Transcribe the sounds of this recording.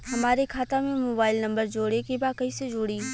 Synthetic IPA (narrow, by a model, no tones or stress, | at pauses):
ɦɐmaːɾekʰaːt̪amẽmoːbaːɪlnɐ̃mbəɾd͡ʒoːɽekebaːkɐised͡ʒoːɽiː